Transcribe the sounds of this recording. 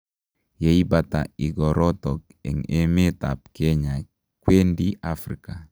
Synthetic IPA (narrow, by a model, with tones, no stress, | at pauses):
je˨˦i˦ba˨ta̰˨i˨ɡɔ˨ɾɔ˦tɔ˨k | ɛ̰˨ŋe˦me˦ta˨p̚ke˦ɲa˨ | kwe˦ndi˦a˦fɾika˨